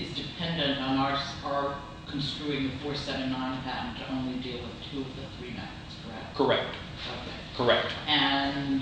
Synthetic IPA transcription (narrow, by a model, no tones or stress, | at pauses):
ɨzdɨpʰɛ̃ndɨ̃ntn̩ɑɹtsə˞ | kʰn̩stɹ̥ʉɪ̃ŋɨfɔɹsɛɾɪ̃ŋnãɪ̃nθæ̃mtʰɨʔõʊ̃nlidilˠwɨð̥tʰʉʌvðɨθɹimɛ̰̃ | z̥kʰə˞ɛ̰k̚kʰə˞ɛk̚t | o̰ʊkʰeɪkʰə˞ɛk̚tɨ̃n